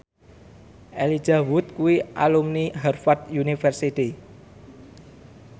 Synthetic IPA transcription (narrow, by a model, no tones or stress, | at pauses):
ʔeli̥d͡ʒ̥awʊt̪̚kuiʔa̰lumniɦɛrfat̪̚junifərsit̪i